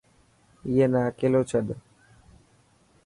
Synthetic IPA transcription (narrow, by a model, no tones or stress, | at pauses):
jenaːkelot͡ʃʰəɗ